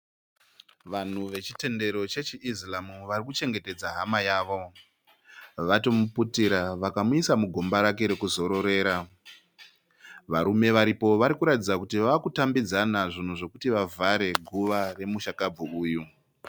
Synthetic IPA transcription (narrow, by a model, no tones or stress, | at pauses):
ʋan̤uʋe̞t͡ʃi̥te̞nde̞ɾo̞t͡ʃet͡ʃiʔizlamuʋarikut͡ʃe̞ŋɡe̞te̞d͡zaɦamajaːʋo̞ | ʋato̞muputiɾaʋakamuisamuɡʱo̞mbaɾake̞ɾe̞kuzo̞ɾo̞ɾe̞ːɾa | ʋaɾume̞ʋaɾipo̞ʋaɾikuɾatid͡zakutiʋaːkutambid͡zanaʐin̤uʐe̞kutiʋavʱaɾe̞ɡʱuʋare̞muʃakab͡vuuːju